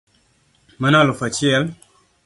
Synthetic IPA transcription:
mənalufət͡ʃiɛl

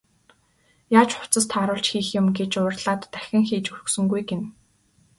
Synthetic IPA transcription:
jaːt͡ɕχʊ̥t͡sə̆st̪ʰaːɾʊːɬt͡ɕxiːxjʊmɡet͡ɕʊːrɮaːt̪ːæxʲɪ̆ŋxiːt͡ɕurɵ̆ksɵ̆ŋɡujɡen

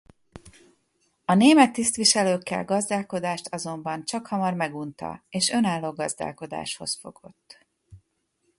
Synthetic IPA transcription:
ɒneːmɛt̪ːist̪ʋiʃɛløːkːɛ̰lɡɒzd̪aːlko̞d̪aːʃt̪ʰɒzo̞mbɒnt͡ʃɒkhɒmɒrmɛɡunt̪ɒ̰eːʃønaːlːoːɡɒzd̪a̰ːlko̞d̪a̰ːʃho̞sfo̞̰ɡ̥o̞̰t̪ː

